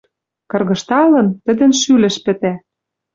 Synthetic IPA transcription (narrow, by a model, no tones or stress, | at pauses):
kɤ̆rɣɤ̆ʃt̪ɑlɤ̆nt̪ə̆d̪ɘ̆nʃylɘ̆ʃpɘ̆t̪æ